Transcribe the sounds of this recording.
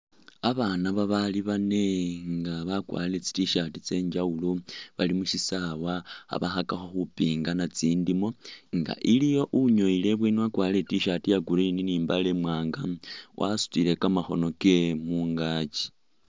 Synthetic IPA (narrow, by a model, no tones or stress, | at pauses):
aβaːnaβaβaliβane̞ŋɡaβakwa̰ːlilet͡si̥tiʃatit͡se̞ːɲd͡ʒauloβalimuʃisawaa̰βaxakaxo̞xupiːŋɡanat͡siːndimo̞ŋɡa̰ʔilijo̞ʔuɲo̞ile̞βweniwakwaːliletiʃatijaɡuɾininiːmbalemwaːŋɡawʔa̰su̥tile̞kamaxo̞̰no̞ke̞muːŋɡat͡ʃi̥